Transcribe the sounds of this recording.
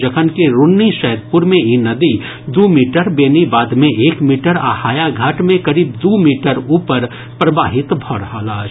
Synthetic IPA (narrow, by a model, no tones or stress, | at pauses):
d͡ʒɐkʰənkeɾʊnːiʃɛɦd̪̚pʊɾmẽinɐd̪i | d̪uːmiːʈəɾbeːnibaːd̪mẽʔeːkmiːʈəɾa̰ːhaːjaɡʱaːʈmẽkɐɾiːbd̪uːmiːʈəɾuːpəɾ | pɾɐbaːɦɪt̪bʱɔːɽɦaːlaː